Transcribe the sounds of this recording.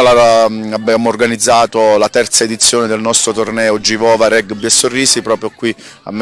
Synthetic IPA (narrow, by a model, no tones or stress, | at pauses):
laaabːjaːmoːrɡanid̪zːaːt̪olat̪ɛrt̪saed̪it̪sːjoːned̪elnɔst̪ɾot̪ornɛːod͡ʒivɔːvaɾɛɡbɛsːorːiːsipɾɔːpɾjokwi | a̰mː